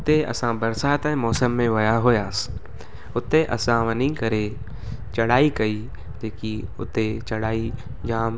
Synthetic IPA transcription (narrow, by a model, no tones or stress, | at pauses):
ʊt̪eʔɐ̰sãːbɐɾsaːt̪ɛ̃mɔːsəmːẽʋɐjaɦoːjaːs | ʊt̪ːeʔɐ̰sãːʋənĩkəɾeː | t͡ʃɐɽaːikɐiː | d͡ʒeːkiʊ̰t̪et͡ʃɐɽaːi | d͡ʒaːm